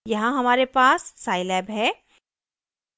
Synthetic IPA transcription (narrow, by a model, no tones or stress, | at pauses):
jɐɦãɦɐmaːɾepaːsːaːɪlɛːbɦɛː